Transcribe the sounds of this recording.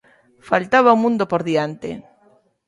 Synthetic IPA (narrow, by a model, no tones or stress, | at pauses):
falt̪aβ̞aumũnd̪opoɾðiant̪ḛ